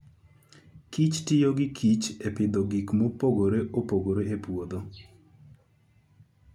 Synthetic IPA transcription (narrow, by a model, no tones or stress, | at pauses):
kit͡ʃtɪjoɡɪkʰit͡ʃepɪd̪ɔɡikmopoɡoɾeʔopoɡoɾeepwod̪o